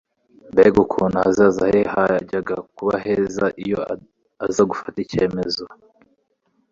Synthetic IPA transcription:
mbeɡukʰuːnahaziazahehaɟaɡakuβaɦeːzaʔijo̞ | azaɡufatice̞ːme̞zo

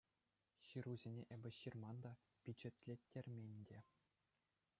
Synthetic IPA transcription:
ɕɯɾuzʲenʲeʔebʲɘ̆ɕirmɑnd̪ɑ | bʲyd͡ʑĕt̪ʲlʲetʲːerʲmʲenʲdʲe

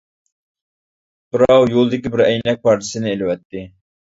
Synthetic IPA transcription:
b̥ɨɾɑwjolˠɨd̪ɪkʲibɪɾɛjnɛk̚pʰɑɾt̪ʰɪ̥sɨnɪelɪwɛt̪ːɪ

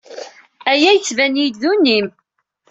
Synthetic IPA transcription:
æjæjt͡sːvænjid̪ðunːim

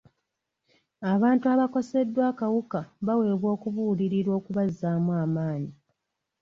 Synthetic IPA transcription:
aβaːntuaːβako̞se̞dːwaːkawukaβawe̞ːβwo̞ːkuvuliɾiɾo̞ːkuβazːaːmwaːmaːɲi

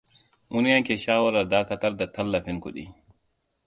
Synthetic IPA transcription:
munjaŋkɛʃaːwaɾadaːkataɾdatalːafinkṵɗḭ

